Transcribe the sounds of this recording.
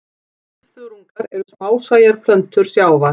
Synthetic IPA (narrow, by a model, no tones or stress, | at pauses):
st̪ʏɾuŋkaɾɛɾʏsmaːwsaːjaɾ̥pʰlœnt̪ʏɾ̥sjaːwva